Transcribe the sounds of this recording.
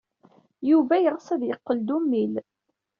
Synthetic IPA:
juvæjʁəsæðjəqːəld̪umːil

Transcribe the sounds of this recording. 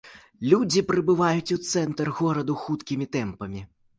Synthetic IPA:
lʲud͡zʲipɾɨbɨvajut͡sʲut̪sɛnt̪ɐrɣɔɾɐd̪uxut̪kʲimʲit̪ɛmpɐmʲi

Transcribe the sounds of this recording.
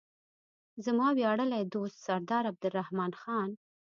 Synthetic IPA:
zəmɑwjɑɽəlajd̪ost̪saɾd̪ɑɾab̚d̪əɾːahmɑnxɑn

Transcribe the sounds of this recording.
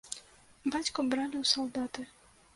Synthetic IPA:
bat͡ɕkɔbɾalʲiwsɔwd̪at̪ɘ

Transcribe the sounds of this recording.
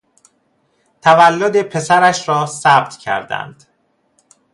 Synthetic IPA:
t̪ʰævælːod̪e̞pʰe̞sæɾæʃɾɒːsæb̚t̪ʰcʰæ̰ɾd̪æ̰nd̪̥

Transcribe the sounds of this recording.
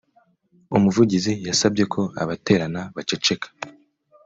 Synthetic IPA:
umuvuɟizijasabɟe̞kʰo̞a̰βate̞ːɾanaβat͡ʃe̞t͡ʃe̞kʰḁ

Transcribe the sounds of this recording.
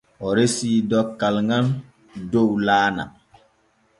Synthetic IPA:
ɔɾesiːdɔkːalŋan | dowlaːna̰

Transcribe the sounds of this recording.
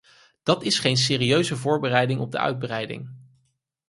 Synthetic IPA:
d̥ɑtɪsχejns̬ɪːriøɥzəvʊːɹbərɛjdɪŋɔb̚də̰ʔœ̰ɥd̚brɛjdɪ̰ŋ

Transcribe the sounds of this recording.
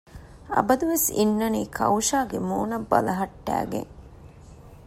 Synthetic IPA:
ɐ̰bɐd̪uʋesinːɐniːkʰɐ̰wʃaːɡemoːnɐbːɐlɐɦɐʈːæ̰ːɡḛŋ

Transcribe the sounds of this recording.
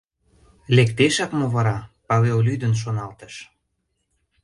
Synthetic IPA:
lekt̪eʃɑkmoβɑɾɑpɑβeolyd̪ənʃ̬onɑlt̪ə̥̆ʃ

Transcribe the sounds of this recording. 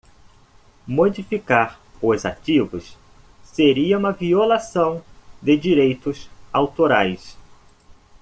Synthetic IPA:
mod͡ʒifikaɾ | ʊza̰t͡ʃivʊs | seɾiɐũmɐviolasɐ̃w̃d̪ɪd͡ʒiɾejt̪ʊsawt̪oɾajs

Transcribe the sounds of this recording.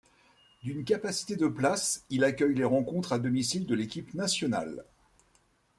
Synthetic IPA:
d̪ynkapasi̥t̪ed̪əplasilakʲœjleʁɑ̃kɔ̃t̪χad̪ɔmisild̪əlekʲipnasjɔna̰l

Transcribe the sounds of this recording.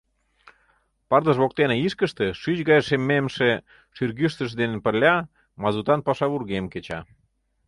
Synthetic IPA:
pɑrd̪əʃβok̚t̪eneiʃkəʃt̪eʃyt͡ɕɣɑjʃemːemʃe | ʃyrɣyʃt̪əʃ̬d̪enenpə̆lʲɑ | mɑzut̪ɑnpɑʃɑβurɣemket͡ɕɑ̰

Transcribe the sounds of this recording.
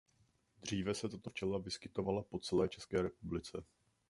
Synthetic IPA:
d̪r̝iːvɛsɛt̪at̪oft͡ʃɛlavɪskɪt̪o̞valapo̞t͡sɛlɛːt͡ʃɛskɛːɾɛpublɪt͡sɛ

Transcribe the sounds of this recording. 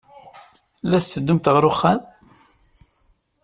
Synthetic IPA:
læθsːəd̪ːumt̪ʁɾʊχːæn

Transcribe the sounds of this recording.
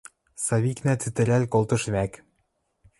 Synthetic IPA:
sɑβiknæt͡syt̪ɘ̆ɾælkolt̪ɤ̆ʃβæk

